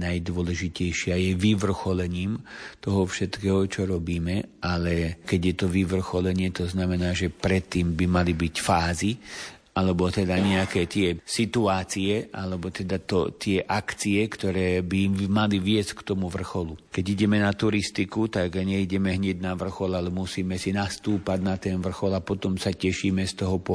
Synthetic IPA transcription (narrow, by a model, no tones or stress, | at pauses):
najd̪ʊɔlɛʒicɛjʃɪajɛʋiʋr̩xɔlɛɲiːmt̪ɔɦɔfʃɛt̪kɛːɦɔt͡ʃɔɾɔbiːmɛalɛkɛɟjɛt̪ɔʋiʋr̩xɔlɛɲɪɛt̪ɔznamɛnaːʒɛpɾɛt̪ːiːmbimalibicfaːzi | alɛbɔt̪ɛd̪aɲɛakɛːt̪ɪɛsit̪uaːt͡siɛʔalɛbɔt̪ɛd̪at̪ɔ̰t̪ɪɛʔakt͡siɛkt̪ɔɾɛːbimaliʋɪɛsckt̪ɔmuʋr̩xɔlukɛɟiɟɛmɛnat̪uɾist̪ikut̪aɡɲɛiɟɛmɛɦɲɛɟnaʋr̩xɔlalɛmusiːmɛsinast̪uːpaɟnat̪ɛnʋr̩xɔlapɔt̪ɔmsacɛʃiːmɛst̪ɔɦɔpɔ